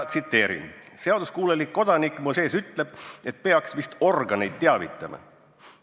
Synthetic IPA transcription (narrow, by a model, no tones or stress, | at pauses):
t̪sit̪ːˑe̞ːɾḭnse̞ɑd̪uskuːlelikːo̞d̪̥ɑnikːˑmose̞ːsyt̪le̞b̥e̞t̪̚pe̞ɑksvist̪o̞rɡɑne̞jd̪̥̚t̪eɑvit̪ˑːɑmɑ̰